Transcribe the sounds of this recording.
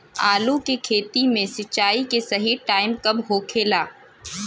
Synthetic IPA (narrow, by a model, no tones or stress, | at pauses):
a̰ːlukekʰeːt̪imẽsɐtːt͡ʃːaːikesɐɦiʈaːɪmkɐbɦoːkʰeːlaː